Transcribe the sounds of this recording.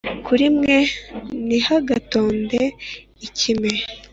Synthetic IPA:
kʰuɾimŋe̞nihaɡato̞ːnde̞ | icime

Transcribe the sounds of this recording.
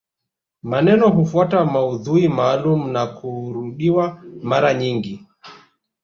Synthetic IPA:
manɛnɔɦufuatamauðuimaːlum̩nakuɾuɗiwamaɾaɲiŋɡi

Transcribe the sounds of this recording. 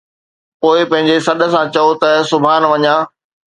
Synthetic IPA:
poːɪpɐ̃ɦɪ̃ɲd͡ʑesɐɗə̆sãt͡ɕɐot̪ɐsʊbʱaːnʋɐɲãː

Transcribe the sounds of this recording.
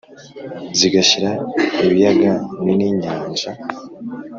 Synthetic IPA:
ziɡaçiɾaiβijaɡaniniɲaːɲʒa

